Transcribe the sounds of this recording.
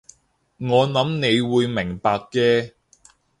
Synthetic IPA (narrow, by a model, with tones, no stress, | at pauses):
ŋɔː˨˧nɐ˨˥mne˨˧jwuː˨˧jmɪ˨˩ŋpaː˧kːɛː˧